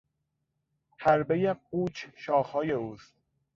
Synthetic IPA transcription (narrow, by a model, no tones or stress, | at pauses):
hæɾbejequːt͡ʃʰʃɒːxɒːjeuːst̪̚